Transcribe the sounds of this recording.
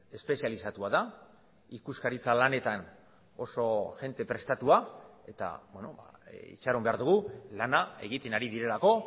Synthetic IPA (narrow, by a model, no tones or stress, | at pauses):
e̞spe̞sijalisat̪uaða | ikuskaɾit͡salane̞t̪an | o̞so̞ʝe̞nt̪e̞pɾe̞st̪at̪uae̞t̪a̰bweno̞̰ba̰ḭt͡ʃaɾo̞mbe̞aɾðuɣ̞ulanae̞̰ɣ̞it̪e̞naɾiðiɾe̞lako̞